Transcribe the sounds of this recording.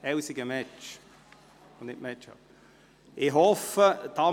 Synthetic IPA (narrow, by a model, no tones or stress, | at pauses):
ɛwsɪɡəmɛt͡ʃ | onɪʔmɛt͡ʃa̰ | ɪɦɔfəd̥̪ɑː